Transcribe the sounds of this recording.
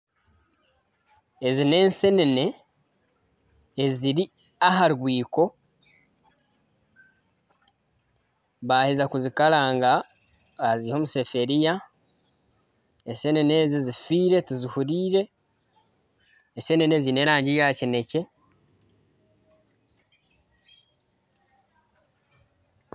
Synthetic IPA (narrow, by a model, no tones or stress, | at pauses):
ezine̞ːnse̞nene̞ | ziɾi | aɦaɾɡwiːko̞ | βahezakuzikalaːŋɡa | aziiho̞ːmuse̞fe̞ɾija | ese̞nene̞ːzizifiːɾe̞tuzihuɾiːɾe̞ | se̞nene̞zine̞ɾaːɲɟijaːcene̞ce̞